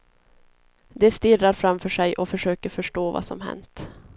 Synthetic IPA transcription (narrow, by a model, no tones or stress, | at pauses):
d̪ɛst̪ɪraɾfɾamfœʂɛjʔɔfœʂøːkəɾfœʂʈoːvɑ̰sɔ̰mɦɛ̰nt̪